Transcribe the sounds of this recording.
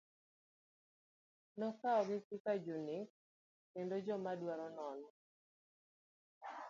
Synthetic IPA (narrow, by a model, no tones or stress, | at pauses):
nɔkaɔɡɪsikad͡ʒunɪk | kendod͡ʒɔmadwaɾɔnɔnɔ